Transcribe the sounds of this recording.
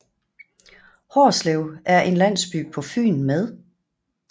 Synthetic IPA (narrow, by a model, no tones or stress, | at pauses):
hɒːsleʊæɐʔe̝nlæn̰sb̥y̰ːpʰɒ̽fy̰ːnmeð̞ˠ